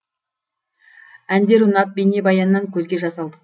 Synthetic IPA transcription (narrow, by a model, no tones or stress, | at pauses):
ænd̪e̞ɾʊnɑt̪̚bene̞bɑjɑnəːɑŋkʲʰɵzɡʲe̞ʒɑsɑlˠd̪ə